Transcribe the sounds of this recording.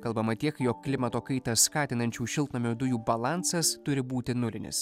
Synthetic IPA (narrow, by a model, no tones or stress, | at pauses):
kɐlˠbɐmɐt̪ʲiɛkjoːkːlʲɪmɐt̪oːkɐɪt̪ɐskɑːt̪ʲɪnɐnʲt͡ʃʲuːʃʲɪlˠt̪nɐmʲuːd̪ʊjuːbɐlˠɑˑnsɐst̪ʊɾʲɪbuːt̪ʲɪnʊlʲɪnʲɪ̰s